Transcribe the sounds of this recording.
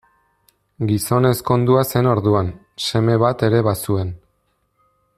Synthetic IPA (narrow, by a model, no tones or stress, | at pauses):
ɡiso̞ne̞sko̞nd̪uase̞no̞ɾðuan | se̞me̞βat̪e̞ɾe̞βasue̞n